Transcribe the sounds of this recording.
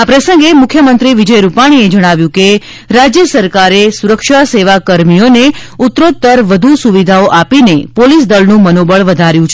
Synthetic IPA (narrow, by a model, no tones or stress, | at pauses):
apɾəsə̃ŋɡemʊkʰjəmənt̪ɾiʋid͡ʒəjɾupaɽ̃ied͡ʒəɽ̃aʋjũke | ɾad͡ʒjəsəɾkaɾesuɾəkʃaseʋakəɾmijoneut̪ɾot̪̚t̪əɾʋəd̪ʱusuʋid̪ʱaoʔapinepolisd̪əlnũmənobəɭʋəd̪ʱaɾjũt͡ʃʰe